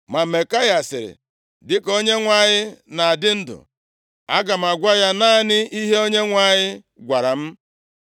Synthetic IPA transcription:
ma˨me˨ka˦ja˨sɪ˨ɾɪ̰˨ | dɪ˦ko˦ɲe˦ŋʷa˦˨ɲɪ˦na˨a˨dɪ˦n̩˦dʊ̰˨ | a̰˦ɡa˨m̩˨a˨ɡʷa˦ja˦naː˦˨nɪ˦i˦ɦe˦o˦ɲe˦ŋʷa˨˦˨ɲɪ˦ | ɡʷa˨ɾa˨m̩˦

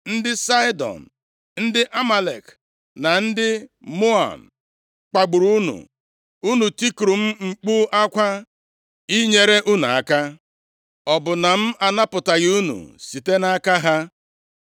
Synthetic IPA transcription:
n̩˦dɪ˦sa˦ɪ˦dɔ̰˨n̩˨ | n̩˦dɪ˦ʔa˦ma˨lḛ˨k | na˨n̩˦dɪ˦mo˦a̰˨m̩˨ | k͡pa˨ɡ͡bʊ˨ɾu˦nṵ˨ | u˦nu˨ti˦kɾu˨m̩˦ŋ͡m̩˨k͡pu˦ʔa˦kʷa˦ | i˦ɲe˨ɾe˦ʔu˦nu˨a˨ka˦ | ɔ˨bʊ˨na˨m̩˦a˨na˦pʊ˨ta˨ɣɪ˦u˦nṵ˨si˨te˦na˦ka˦ɦa˦

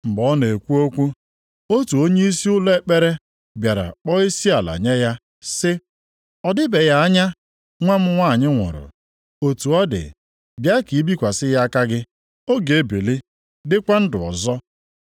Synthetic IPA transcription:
ŋ͡m̩˨bɔ˨˦ne˨e˨kʷu˦o˦kʷu˦ | o˦tu˨o˦ɲe˦i˦si˦ʊ˦le˦k͡pe˦ɾe˦ | bja˨ɾa̰˨k͡pɔ˦i˦si˦a˨la̰˨ɲe˦ja˦ | sɪ˦ | ɔ˨dɪ˦be˨ja˦a˦ɲa˦ | ŋʷa˦m̩˦ŋʷa˦˨ɲɪ˦ŋʷʊ̰˨ɾʊ̰˨ | o˨tu˨ɔ˦dɪ̰˨ | bja˦ki˨˦bi˦kʷa˨sɪ˦ja˦ka˦ɡɪ˦ | o˦ɡe˨˦bi˨li˦ | dɪ˦kʷa˦n̩˦dʊ˨ɔ̰˨zɔ˦

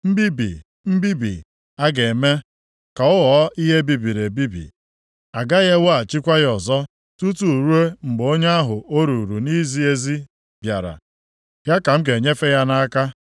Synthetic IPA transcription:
m̩˦bi˦bḭ˨ | m̩˦bi˦bḭ˨ | a˦ɡe˨me˦ | ka˨ʊ˦ɦɔ˨˦i˦ɦe˦bi˨bi˨ɾe˨bi˦bḭ˨ | a˨ɡa˦ɣe˦wa˨t͡ʃi˦kʷa˦jɔ˨zɔ˦ | tu˦tu˨ɾu˦e˦ŋ͡m̩˨ɡ͡bo˦ɲe˦a˦ɦʊ˨ʔo˦ɾu˨ɾu˨ni˦zi˦e˦zi˦ | b̥ja˨ɾa̰˨ | ja˦ka˨m̩˦k̬e˨ɲe˦fe˦ja˦na˦ka˦

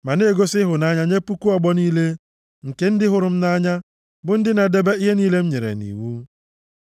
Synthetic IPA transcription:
ma˨ne˦˨ɡo˦sɪ˦ɦʊ˨na˦ɲa˦ɲe˦pu˦ku˦ɔ˦ɡ͡bɔ˦niː˦le˦ | ŋ̩˨ke˦n̩˦dɪ˦ɦʊ˨ɾʊ˨m̩˦na˦ɲa˦ | bʊ˨˦n̩˦dɪ˦na˨de˦be˦i˦ɦe˦niː˦le˦m̩˦ɲe˨ɾḛ˨nḭ˨wu˦

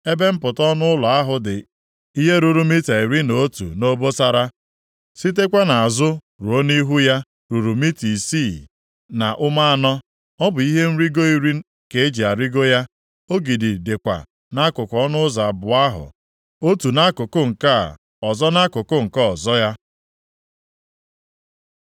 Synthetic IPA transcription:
e˦be˦m̩˦pʊ˨tɔ˦nʊ˦lɔ˨a˦ɦʊ˨dɪ˨ | i˦ɦe˦ɾu˨ɾu˨mi˦ta˨i˨ɾi˦no˨˦tṵ˨no˦bo˦sa˨ɾa˦ | si˦t̬e˦kʷe˦na˨a˨zʊ˦ | ɾu˨o˦ni˦ɦu˦ja˦ | ɾu˨ɾu˨mi˦ti˨si˦˨ | na˨ʔʊ˦ma˦a˨nɔ˦ | ɔ˦bʊ˨i˦ɦe˦n̩˦ɾi˦ɡo˦i˦ɾi˦ | ke˨˦e˦d͡ʒi˨a˨ɾi˦ɡo˦ja˦ | o˦ɡi˨di˨de˨kʷa̰˨ | na˦kʊ˨kɔ˦nʊ˦za˨bʊ˨a˦ɦʊ̰˨ | o˦tu˨na˦kʊ˨kʊ˦ŋ̩˨ka˦˨ | ɔ˨zɔ˦na˦kʊ˨kʊ˦ŋ̩˨kɔ˦ɔ˨zɔ˦ja˦

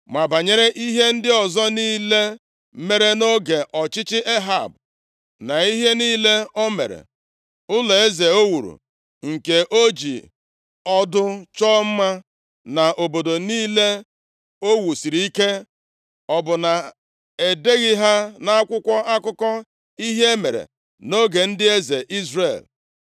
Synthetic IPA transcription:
ma˨ba˨ɲe˦ɾe˦ʔi˦ɦe˦n̩˦dɪ˦ɔ˨zɔ˦niː˦le˦ | me˨ɾe˦no˦ɡe˨ʔɔ˨t͡ʃɪ˦t͡ʃɪ˦ʔe˦ɦa̰˦˨b | na˨i˦ɦe˦niː˦le˦o˦mḛ˨ɾḛ˨ | ʊ˦le˨e˦ze˨o˦wu˨ɾṵ˨ | ŋ̩˨ke˨ʔo˦d͡ʒḭ˨ | ɔ˦dʊ˦t͡ʃɔː˦m̩˦ma˦ | na˨ʔo˨bo˨do˨niː˦le˦ | o˦wu˨si˨ɾi˨i˦ke˦ | ɔ˨bʊ˨na˨ | e˨de˦ɣɪ˦ɦa˦na˦a˦kʷʊ˦kʷɔ˦ʔa˦kʊ˦kɔ˦ | i˦ɦe˦mḛ˨ɾḛ˨ | no˦ɡe˨n̩˦dɪ˦e˦ze˨ʔi˦zrḛ˦˨l

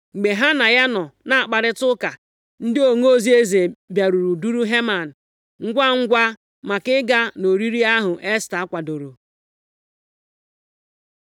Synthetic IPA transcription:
ŋ͡m̩˨ɡ͡be˨ɦa˦na˨ja˦nɔ˨na˨a˨k͡pa˨ɾɪ˦tʊ˦ka˨ | n̩˦dɪ˦o˨ŋ˦o˦zi˦e˦ze˨bja˨ɾu˨ɾu˨du˦ɾu˦ɦe˦ma˨n̩˨ | ŋ̩˦ɡʷa˦ŋ̩˦ɡʷa˦ | ma˨kɪ˦ɡa˦no˨ɾi˦ɾi˦a˦ɦʊ˨ʔe˦sta˨a˦kʷa˨do˨ɾu˨

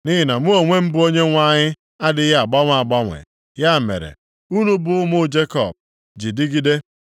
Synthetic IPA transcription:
ni˦ɦɪ˦na˨mʊ˦o˨ŋʷe˦m̩˦bʊ˦o˦ɲe˦ŋʷa˦˨ɲɪ˦ | a˦dɪ˦ɦa˨ɡ͡ba˦ŋʷ˦˨a˨ɡ͡ba˦ŋʷḛ˨ | ja˦˨mḛ˨ɾḛ˨ | u˦nu˦bʊ˦ʊ˦mʊ˦d͡ʒe˦kɔ̰˦˨b̚ | d͡ʒi˨dɪ˦ɡi˦de˦

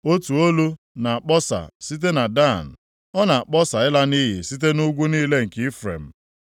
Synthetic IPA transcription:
o˦tu˨o˦lu˦ | na˨a˨k͡pɔ˦sa̰˨si˦t̬e˦na˨da˦˨n̩˨ | ɔ˦na˨a˨k͡pɔ˦sa˨ɪ˦la˦ni˦ɦḭ˨si˦t̬e˦nu˦ɡʷu˦niː˦le˦ŋ̩˨kɪ˦i˦fɾḛ˨m̩˨

